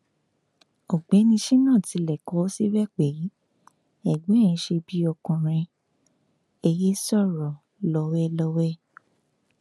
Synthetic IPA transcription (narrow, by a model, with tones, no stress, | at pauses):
ɔ˨ɡ͡bɛ˨˦nĩ˧ʃi˦nã˦˨ti˨˧lɛ˨kɔ˨˦o˦si˦wɛ˦k͡pe˨˦ | ɛ˦˨ɡ͡bẽ˨˦˨ĩ˧ʃe˧bi˧˦ɔ˧kũ˨ɾ̃ɛ̃˧ | e˧je˦sɔ˦˨ɾɔ˨ | lɔ˧wɛ˦lɔ˧wɛ˦